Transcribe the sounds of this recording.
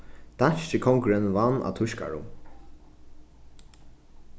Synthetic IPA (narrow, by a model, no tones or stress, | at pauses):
d̪̥anʃt͡ʃɪkʰɔŋkɾɛnvanːa̰t̪ʰʊʃka̰ɹʊ̰